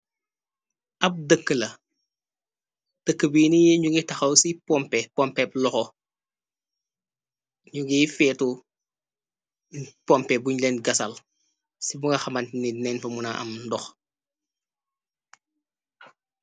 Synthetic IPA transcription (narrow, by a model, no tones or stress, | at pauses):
ʔɐp̚dəkːəlɐ | d̥əkːəbiːnijeɲuɡitɐxɐwsipɔmpɛpɔmpɛp̚lɔxɔ | ɲuɡifɛːtu | pɔmpɛbuɲlɛnɡɐsɐl | sibuŋɐxɐmɐntninɛnfɐmunaʔɐ̰mndɔx